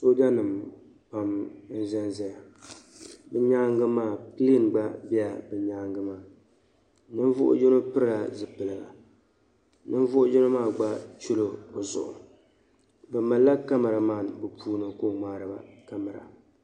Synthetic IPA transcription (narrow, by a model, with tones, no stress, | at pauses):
so˦da˦nɨ˨m | pa˨mn̩˦zɛ˦n˦za˦ja˨ | bɨ˦ɲa˦ŋɡɨ˦maː˦˨pɨ˦le˦˨nɡ͡ba˦bi˦a˨bɨ˨ɲaː˦ŋɡɨ˦maː˦˨ | nɨ˦n˦vʊ̰˦ʔʊ̰˦d͡ʒɛ˦no˦pɨ˦ɾɨ˦la˨zɨ˨pɨ˨lɨ˨la̰˨ | nɨ˦n˦vʊ˦ʔʊ˦d͡ʒɪ˦no˦maː˦˨ɡ͡ba˦t͡ʃu˦lo˨o˨zʊ̰˨ʔʊ̰˨ | bɨ˨ma˨lːa˦ka˦ma˨ɾa˨maː˦˨bɨ˨pʰuː˦nɨ˨ko˦˨ŋ͡maː˦ɾɨ˨ba˦ka˦ma˨ɾa̰˨